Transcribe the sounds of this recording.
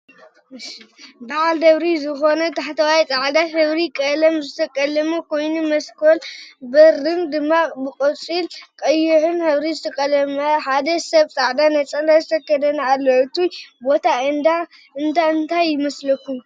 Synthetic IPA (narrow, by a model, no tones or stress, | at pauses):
baʕald̪ɐβɾizɨxo̞nɐt̪ʰaħt̪ʰɐwajt̪ʼaʕd̪ahɨβɾikʼɐlɐmzɨt̪ʰɐkʼɐlɐmokʰo̞jnumɐskʰolbɐɾɨnd̪ɨmːabɨkʼot͡sʼilkʼɐjːuħɨnhɨβɾizɨt̪ʰɐkʼɐlɐmɐħad̪ɐsɐβt̪ʼaʕd̪anɐt͡sʼɐnd̪azɨt̪ʰɐkːɐd̪ɐnalːoʕɨt̪ujbo̞t̪ʰad̪a | ɨnt̪ʰaɨnt̪ʰajːɪmɐslɐkːum